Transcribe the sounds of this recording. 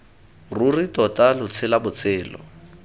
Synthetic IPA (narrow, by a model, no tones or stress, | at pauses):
ruritɔtʼalʊt͡sʰɪlabʊt͡sʰɪːlɔ̰